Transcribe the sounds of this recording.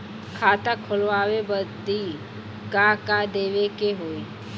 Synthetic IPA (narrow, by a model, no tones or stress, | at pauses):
kʰaːt̪akʰolʋaːʋebət̪i | kakad̪eːʋekeɦoːi